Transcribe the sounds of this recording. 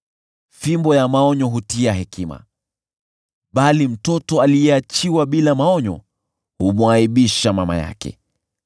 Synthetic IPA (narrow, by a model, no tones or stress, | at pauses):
fimbɔjamaɔɲɔɦutiaɦɛkʰima̰ | ɓalim̩tɔtɔalijɛat͡ʃiwaɓilamaɔɲɔ̰ | humuaiɓiʃamama̰ja̰kɛ̰